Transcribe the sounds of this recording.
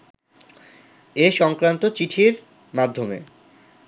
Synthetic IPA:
eʃɔŋkɾant̪ot͡ɕiʈʰiɾ | mad̪ʱːomḛ

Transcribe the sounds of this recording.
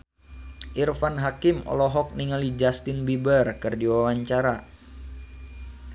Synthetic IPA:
ʔirfanɦakimɔ̰lɔɦɔk̚niŋalid͡ʒast̪ɪnbibərkɨrdiwawaɲt͡ʃaɾa

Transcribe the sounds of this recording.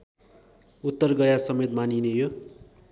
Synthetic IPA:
ut̪ːʌrɡʌjasʌmet̪maninejo

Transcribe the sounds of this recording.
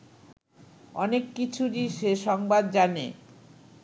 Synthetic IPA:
ɔnekːit͡ɕʰuʈiʃeʃɔŋbad̪̚d͡ʑanḛ

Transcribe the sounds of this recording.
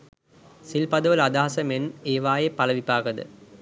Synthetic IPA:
silpɐd̪ɐʋɐlad̪aːɦɐsɐmeneːʋaːjepɐlɐʋipaːɡɐd̪ɨ̰

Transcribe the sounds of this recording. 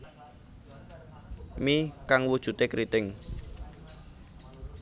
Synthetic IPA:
mikaŋwud̥ʒ̥ṳt̪ekɾit̪ɪŋ

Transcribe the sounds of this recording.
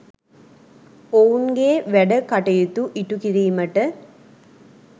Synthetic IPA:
oːunɡeːʋɛɽɐkɐʈːɐjɯt̪ːuʔiʈːukiɾijmɐʈːɐ

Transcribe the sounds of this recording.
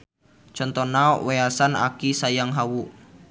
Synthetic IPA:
t͡ʃɔnt̪ɔnaɔweasana̰kisajaŋɦawu

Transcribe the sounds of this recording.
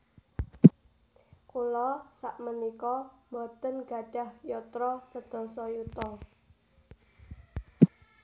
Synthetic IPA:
kulɔsaʔmənikɔmɔt̪ənɡ̥a̤ɖ̥a̤hjɔt̪ɾɔsəd̪̥ɔ̤sɔjut̪ɔ

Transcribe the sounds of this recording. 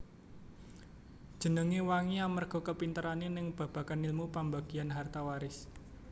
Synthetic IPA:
d̥ʒ̥ə̤nəŋewaŋiamərɡ̥ɔ̤kəpint̪əɾanenɪŋb̥ä̤b̥a̤kanilmupambaɡ̥i̤anɦart̪awaɾɪs

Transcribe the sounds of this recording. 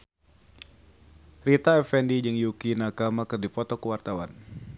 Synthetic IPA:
rit̪aɛfɛndid͡ʒɨŋjukinakamakɨrdipɔt̪ɔkuwart̪awan

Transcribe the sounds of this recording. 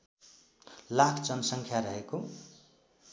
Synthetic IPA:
lakʰd͡zʌnʌsʌŋkʰjaɾʌɦeko

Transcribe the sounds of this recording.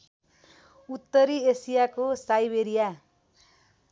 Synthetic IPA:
ut̪ːʌɾiesijakosajbeɾija

